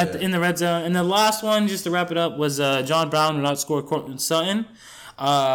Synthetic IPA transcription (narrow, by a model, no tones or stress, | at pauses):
ɨtɨ̃nðɨɹɛdzõʊ̃nɨ̃nðəlæst̚wʌ̃nd͡ʒʌstʰɨɹæpɨɾʌp̚wʌzʌd͡ʒɑ̃nbɹãʊ̃nwɨðaʊtskɔɹ̚kʰɔɹɨ̃nsʌʔn̩ | ʔʌ